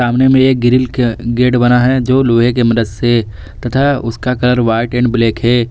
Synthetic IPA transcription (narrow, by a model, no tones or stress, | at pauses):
aːmnemẽeːk̚ɡɪɾɪlɡeːɖbɐnaɦɛd͡ʒoːloːɦekemɐd̪əd̪se | t̪ɐt̪ʰaʊskakɐləɾʋaːɪʈẽːɳɖbleːkɦɛː